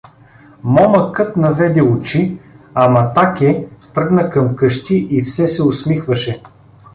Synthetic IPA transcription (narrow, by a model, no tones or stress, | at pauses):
mɔmɐkɤt̪nɐvɛd̪ɛʊt͡ʃiɐmɐt̪akʲɛt̪ɾɤɡnɐkɐmkɤʃt̪iʔifsɛsɛʊsmixvɐʃɛ